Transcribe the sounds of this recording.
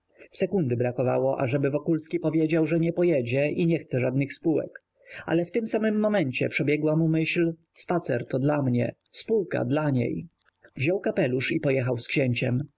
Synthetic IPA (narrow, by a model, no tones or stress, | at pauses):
sɛkund̪ɘbɾakɔva̰wɔʔa̰ʐɛbɘvɔkulskʲipɔvʲjed͡ʑawʐɛɲɛpɔjed͡ʑɛiɲɛxt̪sɛʐad̪nɘxspuwɛ̰k | ʔa̰lɛft̪ɘmsamɘmːɔmɛɲt͡ɕɛ̰pʂɛbʲjɛɡwamumɘɕl | spat̪sɛɾt̪ɔd̪lamɲɛ̰spuwka̰d̪laɲḛj | vʑɔwkapɛluʂipɔjɛxawskɕeɲt͡ɕɛm